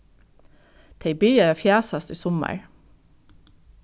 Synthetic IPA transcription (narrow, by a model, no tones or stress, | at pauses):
t̪ʰeɪbʏʏɑɑːfjæːsɑst̪iːsɔmə̰ɹ